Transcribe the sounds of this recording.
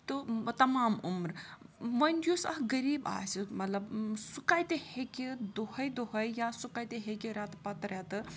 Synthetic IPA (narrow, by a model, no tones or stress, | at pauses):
t̪ɨt̪ɐmaːmumɾʋɐnʲd̪jusɐ̰ɦɡɐɾiːba̰ːsimɐt̪lɐbsukaːjt̪ehekid̪ohɐjd̪oɦɐjjasukaːjt̪eɦekiɾɐt̪pɐt̪ɾɛt̪ɨ